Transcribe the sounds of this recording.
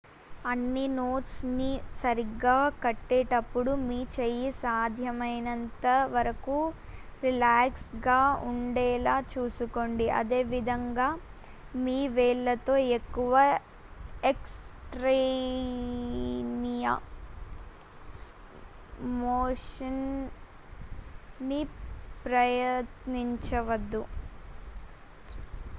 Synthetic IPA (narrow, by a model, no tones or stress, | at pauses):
ɐnːinoːʈsnisɐɾiɡːaːkɐʈːeːʈɐpːuɽumiːt͡ʃejisaːd̪ʱjɐmɐjnɐnt̪ɐʋɐɾɐku | ɾilaːksɡaːuɳɖɛːlaːt͡ʃuːsukoːɳɖiʔɐ̰d̪eːʋid̪ʱɐŋɡaː | miːʋeːlːɐt̪o̞ːekːuʋɐ | eksʈɾe | nijɐ̰ | moːʂɐn | ipɾɐjɐt̪niɲt͡ʃɐʋɐd̪ːu